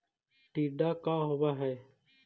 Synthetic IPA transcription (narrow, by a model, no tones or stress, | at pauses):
ʈiːɖaːkaːɦoʋaːɦɛː